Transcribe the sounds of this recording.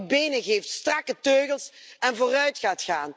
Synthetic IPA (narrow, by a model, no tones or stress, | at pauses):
bejnəɣejftstrɑkətøːɣəlˠsɛnvoːrœɥtχaːtχaːn